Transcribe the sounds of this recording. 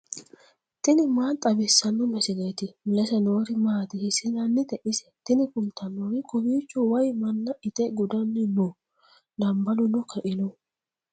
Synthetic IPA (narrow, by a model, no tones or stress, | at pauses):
t̪ɪnɪmaːnt̪ʼɐbɪsːɐnːɔmɛsɪɡejt̪ɪmɪlɛsɛnoːɾɪmaːt̪ɪhɪsɪzɐnːɪt̪ɛʔɪsɛ̥t̪ɪnɪkʊnt̪ʰɐnːoːɾɪkʊbiːt͡ʃːɔwɐjmɐnːɐʔɪt̪ɛɡʊd̪ɐnːɪnɔ | d̪ɐmbɐlʊnɔkʰɐʔɪnɔ